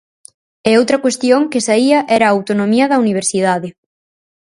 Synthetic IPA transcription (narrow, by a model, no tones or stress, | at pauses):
ɛowt̪ɾɐkwest̪joŋkɪsaiɐʔɛɾɐːwt̪onõmiɐðɐuniβ̞eɾsið̞aðɪ